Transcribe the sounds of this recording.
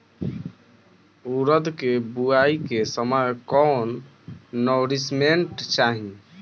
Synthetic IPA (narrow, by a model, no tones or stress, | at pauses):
uɾəd̪kebuaikesəmajkɔnː | ɔɾismeɳʈt͡ʃaɦĩ